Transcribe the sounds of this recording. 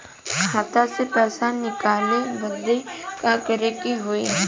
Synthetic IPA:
kʰaːt̪asepɛːsanɪkaːlebəd̪ekakəɾekiɦoe

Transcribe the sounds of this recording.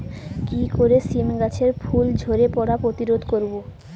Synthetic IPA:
kikoɾesimɡat͡ɕʰeɾfʰuld͡ʑʱoɾepɔɽapɾot̪iɾod̪ʱkoɾbo

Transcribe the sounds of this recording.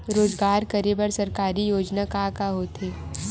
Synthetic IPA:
ɾoːzɡaːɾkɐɾebəɾsɐɾkaːɾijoːd͡ʒnakakaɦoːt̪eː

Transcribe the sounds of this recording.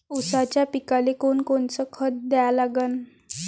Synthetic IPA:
usat͡ɕjapikalekonkoɳt͡səkʰət̪̚d̪ɛjalaɡən

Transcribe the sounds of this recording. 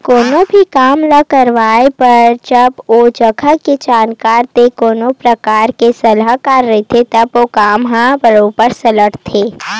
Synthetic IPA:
koːnobʱikaːmləkəɾʋaːepɐɾd͡ʒɐboːd͡ʒəɡʰʱaked͡ʒaːnkaːɾt̪ekoːnopɾəkaːɾkesɐlaɦkaɾːɐɦet̪ʰet̪ɐbokaːmɦãbəɾopəɾsɐləʈt̪ʰeː

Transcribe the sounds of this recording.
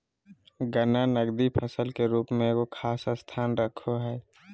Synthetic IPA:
ɡənanəɡd̪ipʰəsəlkeɾuːpmẽkokʰaːsəst̪ʰaːnɾəkʰoɦɛː

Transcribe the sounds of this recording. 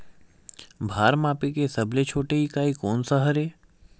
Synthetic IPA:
bʱaːɾmaːpikesɐblet͡ʃʰoːʈeɦikaːikoːnsəɦəɾeː

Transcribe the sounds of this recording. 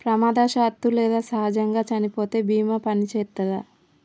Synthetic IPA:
pɾɐmaːd̪aːʃaːt̪ːulɛːd̪aːsɐɦaːd͡ʒɐŋɡaːt͡ʃɐnipo̞ːt̪e̞ːbiːmɐpɐnit͡ʃɛːt̪ːɐd̪a

